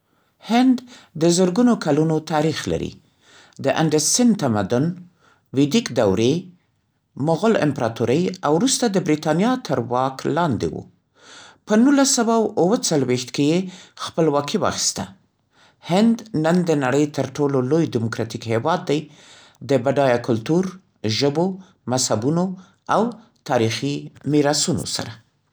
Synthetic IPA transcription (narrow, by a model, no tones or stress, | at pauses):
hɪnd̪ːəzəɾɡunokalunot̪ɑɾixla̰ɾḭ | d̪əʔaɳɖəɾsɪnt̪amad̪ʊn | wɪd̪ikd̪awɾe | mʊɣʊlɪ̰mpɾɑt̪uɾəjawɾust̪ad̪əbɾit̪ɑnjɑt̪ʰəɾwɑklɑnd̪ḛwṵ | pənulasawawwət͡salwext̪kejexpəlwɑkiwɑ̰xi̥st̪a | hɪnd̪nənd̪ənaɽəjt̪əɾʈololojd̪ɪmokɾɑt̪ikhewɑd̪ːaj | d̪əbaɖɑjakʊlt̪uɾ | ʒəbo | mashabuno | aw | t̪ɑɾiximiɾɑsuno̰sa̰ɾa